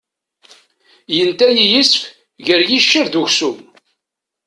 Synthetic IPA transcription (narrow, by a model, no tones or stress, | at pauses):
jənt̪æjijəsf | ʝəɾjiʃːəɾd̪uʝsum